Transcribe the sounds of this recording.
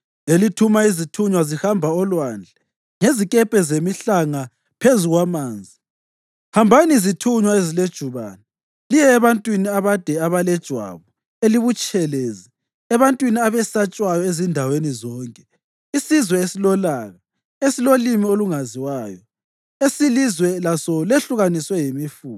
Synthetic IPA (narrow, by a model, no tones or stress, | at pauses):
elitʰumaizitʰuɲwazihambʱaɔlwand͡ɮʱɛ | ŋezikʼɛpʼɛzemiɬaŋa | pʰezuɣwamaːnd͡zʱi | hambʱaniizitʰuɲwaeziled̥ʒ̥ʱuβa̰ːna | lijɛːβantʼwiniaβad̥ʱɛaβalɛd̥ʒ̥ʱwa̰βɔ | eliβut͡ʃʼɛleːzi | ɛβantʼwiniaβɛsat͡ʃʼwajɔezindʱawenizɔːŋkʼɛ̥ | isizwɛesilɔlaːɣa | esilolimioluŋaziwaːjɔ | esilizwɛlasɔleɬuɣaniswɛjimifuː